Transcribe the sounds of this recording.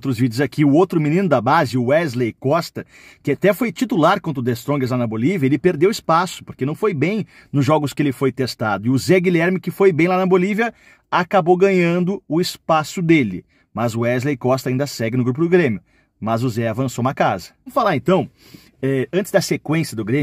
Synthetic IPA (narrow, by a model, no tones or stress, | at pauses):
ot̪ɾʊzvid͡ʒʊzakʰiʊowt̪ɾʊminĩnʊd̪ɐbazɪʊɛzlejkɔst̪ɐ | kɪat̪ɛfojt͡ʃ̪it̪ulaɾkwõnt̪ɾʊd̪est̪ɾõɡɐzlanɐboliviɐelɪpeɾd̪ewɪspasʊ̥poɾkenɐ̃w̃fojbẽj̃ | nʊzʒɔɡʊskɪelɪfojt̪est̪ad̪ʊɪʊzɛɡilɛɾmɪkɪfojbẽj̃lanɐboliviɐ | akabowɡɐ̃ɲɐ̃nd̪ʊʊɪspasʊd̪elɪ̰ | mɐzʊɛzlejkɔst̪ɐĩnd̪ɐsɛɡɪnʊɡɾup̬ʊd̪ʊɡɾẽmjʊ | mɐzʊzɛavɐ̃sownɐkazɐɐ̃mʊfalaɾẽnt̪ɐ̃w̃ | ɛɐ̃t̪t͡ʃɪzd̪ɐsekwẽsjɐd̪ʊɡɾẽmjʊ